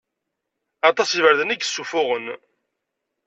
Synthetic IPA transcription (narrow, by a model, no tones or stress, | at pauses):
ɑt̪ˤɑsivəɾðəniɡəsːufʊʁən